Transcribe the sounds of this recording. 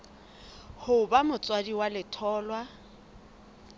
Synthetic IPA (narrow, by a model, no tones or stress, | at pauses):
hʊbamʊt͡sʼwadiwalɪtʰɔːlwa